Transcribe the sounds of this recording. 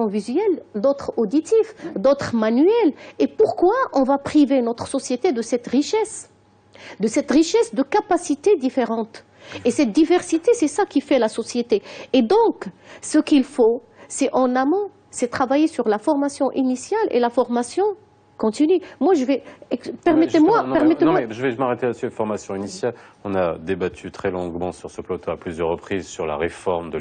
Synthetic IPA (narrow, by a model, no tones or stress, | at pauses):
ɔ̃vizɥɛld̪ot̪χod̪it̪ifd̪ot̪χmanɥɛlepuʁkwaʔɔ̃vapχivenɔt̪χsɔsjet̪ed̪əsɛt̪ʁiʃɛs | d̪əsɛt̪ʁiʃɛsd̪əkapasit̪ed̪ifeʁɑ̃t̪ | esɛt̪̚d̪ivɛʁsit̪esɛsakifɛlasɔsjet̪eːd̪ɔ̃ksəkilfo | sɛʔɑ̃namɔ̃ | sɛt̪χavajesyʁlafɔʁmasjɔ̃ʔinisjalḛlafɔʁmasjɔ̃ | kɔ̃t̪inymwaʒəvɛpɛʁmɛemwapɛʁmɛt̪ẽwaʒəvɛʒəmaʁet̪elat̪syfɔʁmasjɔ̃inisjalɔ̃nad̪ebat̪ʰyt̪χɛlɔ̃ɡmɑ̃syʁsəplot̪oaplyzjœʁːəpχizsyʁla̰ʁefɔʁmd̪ə